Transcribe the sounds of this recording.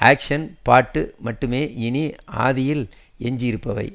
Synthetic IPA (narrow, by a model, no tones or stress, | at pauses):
aːkʂɐnpaːʈːɯmɐʈːɯmeːɪɳia̰ːðɪjɪl | ɛɲd͡ʒɪjɪɾɯpːɐʋɐ̰ɪ